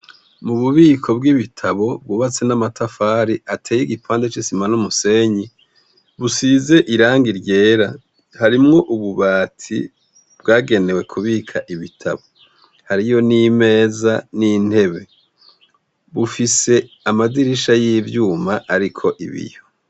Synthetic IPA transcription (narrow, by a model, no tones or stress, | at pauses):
muβuβiːkʰo̞b̚ɡiβitʰaβo̞bɡuβat͡se̞namatʰafaːɾiʔatʰeːjiɡipʰaːndet͡ʃisimanumuse̞ɲi | βusize̞ʔiɾaːŋɡiɾɟe̞ːɾa | haɾimŋo̞ʔuβuβaːtʰḭ | bɡaːɡe̞ne̞we̞kʰuβikʰaʔiβitʰa̰βo̞ | haɾijo̞nime̞ːzanin̥he̞βe̞ | βufise̞ | amadiɾiʃajivjuːmaʔaɾikʰo̞ʔḭβḭjo̞